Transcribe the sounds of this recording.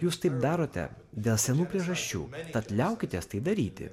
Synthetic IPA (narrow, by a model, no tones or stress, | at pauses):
juːst̪ɐɪp̚d̪ɑːɾoːt̪ʲɛ̰ | d̪ʲeːlˠsʲɛnuːpʲɾʲiɛʒɐʃʲt͡ʃʲṵːt̪ɐt̪lʲɛʊkʲɪt̪ʲeɛst̪ɐɪd̪ɐɾʲiːt̪ʲɪ̰